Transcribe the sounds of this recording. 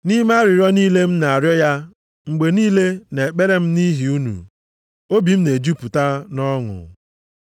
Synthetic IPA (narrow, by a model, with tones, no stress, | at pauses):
ni˦ma˦ɾɪ˨ɾɔ˦niː˦le˦m̩˦na˨a˨ɾjɔ˦ja˦ | ŋ͡m̩˨ɡ͡be˨niː˦le˦ne˨k͡pe˦ɾe˦m̩˦ni˦ɦi˨u˦nṵ˨ | o˦bi˨m̩˦ne˨d͡ʒu˦pu˨ta˦nɔ˦ŋʊ̰˨